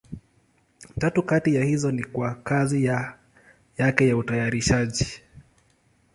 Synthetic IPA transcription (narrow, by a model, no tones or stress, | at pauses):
tatukatijahizɔnikwakazija | jakɛjautajaɾiʃaʄi